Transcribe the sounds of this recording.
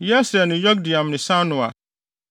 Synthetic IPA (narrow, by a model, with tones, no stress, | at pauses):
jɛ˦sɛ˨nʊ̃˨jɔ˦k̚di˨ã˨mnɪ̃˨sã˦nʊ̃˨a̰˨